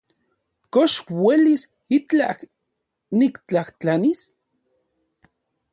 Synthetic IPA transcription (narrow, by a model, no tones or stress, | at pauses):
koʃwelis | it͡ɬa̰k | nikt͡ɬaht͡ɬanis